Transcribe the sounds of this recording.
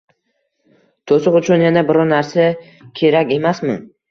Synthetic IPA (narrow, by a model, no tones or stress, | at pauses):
t̪ʰosʊqʊt͡ʃʰʊnjanabɪɾɒnaɾsa | kʲʰe̞ɾakʲe̞masmɪ̰